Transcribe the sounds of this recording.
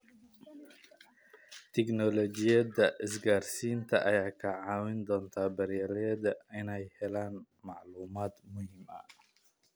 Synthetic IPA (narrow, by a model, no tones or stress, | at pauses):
t̪ʰɛknɔlɔd͡ʒɪjɐd̪ɐʔɪs̬ɡaːrsiːnt̪ʰɐʔɐjaːkʰɐʕaːwɪnd̪ɔːnt̪ʰaːbɐɾɛɾɛd̪ɐɪnɛjhɛlaːn | mɑʕluːmaːd̪mʊhɪmʔɐ̰